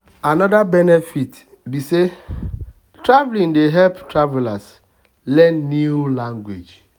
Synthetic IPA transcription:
anɔdabɛnefit | bise | tɾavlĩndeɦɛlptɾavelas | lɛ̃nnilaŋɡwed͡ʒ

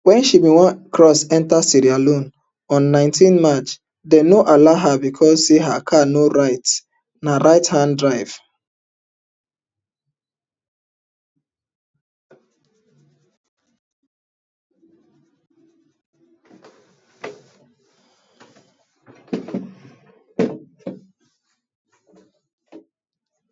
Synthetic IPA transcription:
wɛ̃nʃibĩwãkʰɹɔsɛ̃ntasiɾialõn | ɔ̃nːãɪ̃ntʰĩnmat͡ʃ | denoʔalaɦabikʰɔzseɦakʰanoaɪt | naɾaɪthãndɹaɪv̥

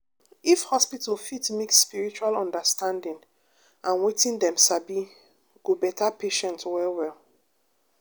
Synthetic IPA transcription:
ifhɔspitalfitmeksːpiɹit͡ʃualɔ̃ndəstãndĩŋ | ãnwetĩndɛ̃msabi | ɡ̥obɛtʰapeʃɛ̃ntwɛlwɛl

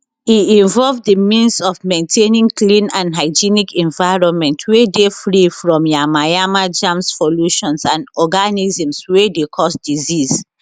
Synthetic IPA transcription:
iĩɱvɔlvðəmĩnsɔvmẽntʰenĩŋklĩnãndɦaɪd͡ʒinikʰɛ̃ɱvaɪɹɔ̃nmɛ̃ntʰwedefɹifɹɔ̃mjamajamad͡ʒãmssɔluʃɔ̃nsãnɔɡanizĩmswedekʰɔsdiziz

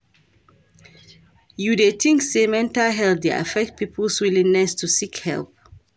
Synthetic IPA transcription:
judetʰĩŋksemɛ̃ntaɦɛltd̪ea̰fɛk̚t̚pipʰəlswilĩŋnɛstusikhɛ̰lp̚

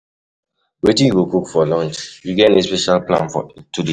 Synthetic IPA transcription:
wetĩjuɡokukfɔlɔ̃nt͡ʃjuɡɛnespɛʃalplã̰nfɔ̰tude

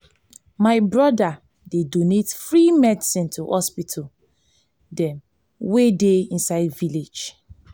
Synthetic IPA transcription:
maɪbɹɔda | dedonetfɹimɛdisĩntʰuhɔspitʰɔ | dɛ̃m | wedeĩnsaɪdviled͡ʒ

